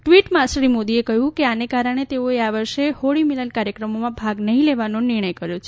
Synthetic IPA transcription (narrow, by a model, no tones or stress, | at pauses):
ʈʋiʈmãsɾimod̪iekəɦjũkeanekaɾəɽ̃et̪eoeaʋəɾʃehoɽimilənkaɾjəkɾəmomãbʱaɡnəɦĩleʋanonɪɾɳ̃əjkəɾjot͡ʃʰe